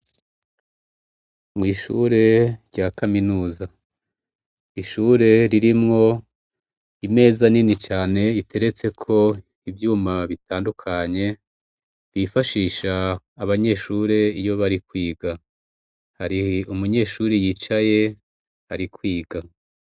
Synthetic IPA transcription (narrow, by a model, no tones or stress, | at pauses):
mŋiːʃṵɾe̞ɾɟakaminuːza | iʃuːɾe̞ɾiɾimŋo̞ | ime̞ːzaninit͡ʃaːne̞itʰe̞ɾe̞t͡se̞kʰo̞ | ibjuːmaβitʰaːndukʰaɲe̞ | βifaʃiːʃaː | βaɲe̞ʃuːɾe̞ijo̞βaɾikwiːɡa | haɾiumuɲe̞ːʃuːɾijiːt͡ʃaje̞ | haɾikwiːɡa